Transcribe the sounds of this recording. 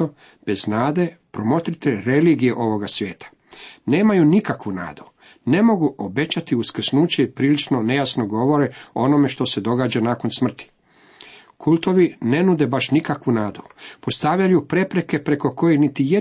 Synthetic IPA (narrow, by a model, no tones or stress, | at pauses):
o | b̥e̞znaːd̪e̞pɾo̞mo̞t̪ɾit̪eɾe̞liːɡijeʔo̞ʋo̞ɡasʋje̞ːt̪ʰḁ | ne̞ːmajunikakʋuna̰ːd̪u | ne̞mo̞ɡuʔo̞be̞t͡ɕat̪iuskr̩snuːt͡ɕeipɾiːlit͡ʃno̞ne̞jasno̞ɡo̞ʋo̞ɾeo̞no̞me̞ʃt̪o̞se̞d̪o̞ɡaːd͡ʑanaːko̞nsmr̩t̪i̥ | kʰult̪o̞ʋine̞nud̪e̞baʃnikakʋunaːd̪upo̞st̪aʋʎajupɾe̞pɾe̞ke̞pɾe̞ko̞ko̞jenit̪ije